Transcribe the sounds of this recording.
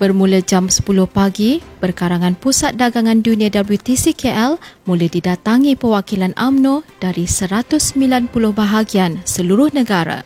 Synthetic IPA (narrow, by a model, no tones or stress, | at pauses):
b̥ərmũlad͡ʒamsə̥pulʊhpaɡib̥ərkaɾaŋãnpusat̪̚daɡaŋãndunĩãdabut̪isikeʔɛlmũlahdidat̪aŋĩpəwakilanʔamnõd̥aɾisəɾat̪ʊsːəmbilanpulʊhbaɦaɡiansəluɾʊhnə̃ɡaɾa̰